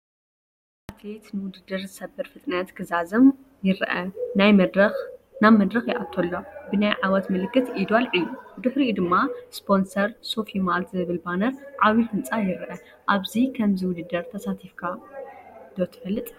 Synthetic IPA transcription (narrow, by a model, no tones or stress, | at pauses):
ʔat̪ʰlet̪nɨwʊd̪ɨd̪ːɨɾzɨsɐbɨɾfɨt̪ʼnɐt̪kʰɨzazɐm | jɪɾʔɐnajɾɐx | naβmːɐd̪ɾɐxjɪʔat̪ʰːolːobɨnajʕawɐt̪mɨlɨkːɨt̪ʔid̪alʔɨjːud̪ɨħɾiud̪ɨmːaspʰo̞nsɐɾsofimalt̪ʰzɨβɨlbanɐɾʕaβifɨnt͡sʼajɪɾʔɐ | ʔaβzikʰɐmzɨwʊd̪ɨd̪ːɐɾt̪ʰɐsat̪ʰifkʰa | d̪̥ot̪ʰɨ̥fɐlːɨt̪ʼ